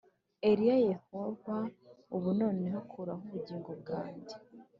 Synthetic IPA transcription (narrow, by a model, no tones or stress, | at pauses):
eɾijaje̞ho̞vauβuno̞ːneɦokʰuɾaɦuβuɟiːŋɡo̞b̚ɡa̰ːɲɟe